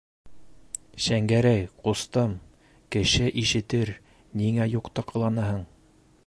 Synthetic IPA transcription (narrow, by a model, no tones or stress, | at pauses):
ʃæŋɡæɾæjqust̪ɤm | kɘ̆ʃɘʔiʃɘ̆t̪ɘɾ | niŋæjuqt̪ɑqɤ̆lˠɑnɤɦɤɴ